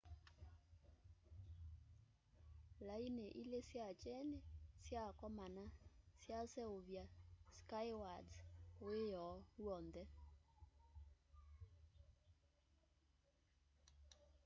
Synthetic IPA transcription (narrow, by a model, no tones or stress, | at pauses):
laineʔilesjat͡ʃɛnesjakɔmanasjasɛoβjaskajwadzoejɔwɔndɛ